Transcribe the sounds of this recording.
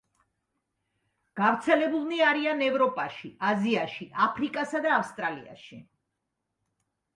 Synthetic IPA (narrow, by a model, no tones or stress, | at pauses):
ɡ̥avɾt̪sʰɛlɛbulˠniaɾianɛvɾɔpʼaʃiaziaʃiʔapʰɾikʼasad̪aːfst̪ʼɾalḭa̰ʃi